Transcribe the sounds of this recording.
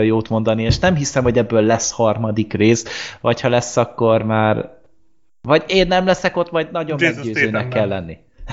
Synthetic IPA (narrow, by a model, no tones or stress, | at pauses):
ojjoːt̪mo̞nd̪ɒnieːʃnɛmɦisɛmho̞ɟɛbːøːlːɛshɒrmɒd̪ikreːsvɒchɒlɛsːɒkːo̞rmaːr | vɒɟeːnːɛmlɛsɛko̞t̪ːmɒjd̪nɒɟommɛɡɟøːzzøːnɛkːɛlːɛnːi